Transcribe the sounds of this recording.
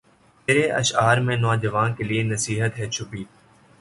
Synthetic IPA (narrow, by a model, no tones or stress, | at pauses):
meːɾeʔə̰ʃaːɾmẽːnɔːd͡ʒəʋaːnkelienəsiːɦət̪ɦɛːt͡ʃʰʊpiː